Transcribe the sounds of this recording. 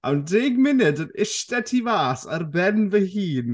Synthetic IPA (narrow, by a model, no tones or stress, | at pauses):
ʔa̰wndeːɡmɪnɨdənɪʃtɛtʰivaːsarbɛnvəhiːn